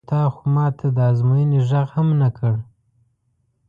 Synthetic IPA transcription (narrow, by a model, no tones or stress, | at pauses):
t̪ɑxomɑːt̪ʰad̪əazmujəniʒaɣhamnakʰəɽ